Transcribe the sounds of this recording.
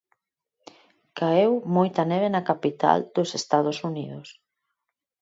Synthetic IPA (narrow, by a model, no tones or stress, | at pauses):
kaewmojt̪ɐneβ̞enɐkapit̪a̰ld̪̥ʊsest̪aðosuniðʊs